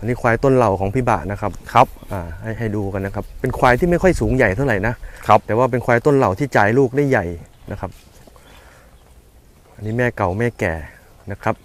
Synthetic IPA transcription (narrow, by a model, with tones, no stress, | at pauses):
ʔa˧niː˦˥kʰwaː˧jt̪o˥˩nla˨˩wkʰɔː˩˦ŋpʰi˦˥ba̰˨˩ʔna˦˥kʰa˦˥p̚kʰa˦˥p̚ʔaː˨˩ha˥˩jɦa˥˩jduː˧ka˧nːa˦˥kʰa˦˥pːe˧nkʰwaː˧jt̪ʰiː˥ma˥˩jkʰɔ˥˩jsuː˩˦ŋja˨˩jt̪ʰa˥˩wɾa˨˩jna˦˥ʔkʰa˦˥t̪ɛː˨˩waː˥˩p̬e˧nkʰwaː˧jt̪o˥˩nla˨˩wt̪ʰiː˥˩t͡ɕaː˧˩jluː˥˩k̚daː˥˩jːa˨˩jnʔa˦˥kʰa˦˥p̚ | ʔa˧nːiː˦˥mɛː˥˩ka˨˩wmɛː˥˩kɛ̰ː˨˩ | na˦˥kʰa˦˥p̚